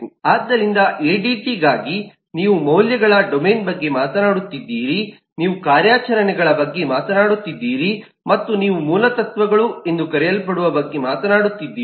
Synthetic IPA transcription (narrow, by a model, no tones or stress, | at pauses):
aːd̪ːɐɾind̪ɐʔeːɖiːʈiɡaːɡi | niːʋumɐwljɐɡɐɭɐɖomeːnbɐɡːe̞maːt̪ɐnaːɽut̪ːid̪ːiːɾi | niːʋukaːɾjaːt͡ʃɐɾɐnɛɡɐɭɐbɐɡːe̞maːt̪ɐnaːɽut̪ːid̪ːiːɾi | mɐt̪ːuniːʋumuːlɐt̪ɐt̪ʋɐɡɐɭue̞nd̪ukɐɾɛjɐlpɐɽuʋɐbɐɡːe̞maːt̪ɐnaːɽut̪ːid̪ːiː